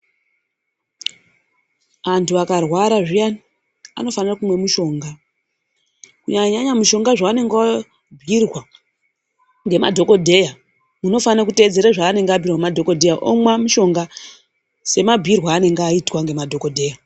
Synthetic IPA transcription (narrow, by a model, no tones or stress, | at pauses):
antʰuakarwaɾaʐijan | a̰no̞fanirakumwe̞muʃo̞ːŋɡa | kuɲaɲaɲamuʃo̞ŋɡaʐaane̞ŋɡa | bʱirwa | ŋɡe̞ma̰dʱo̞ko̞dʱe̞ja | muno̞fannakute̞d͡ze̞ɾaʐaːne̞ŋɡabʱirwamadʱo̞ko̞dʱe̞jaʔo̰mwamuʃo̞ŋɡa | se̞mabʱirwaːne̞ŋɡaitwaŋɡe̞madʱo̞ko̞dʱe̞ːja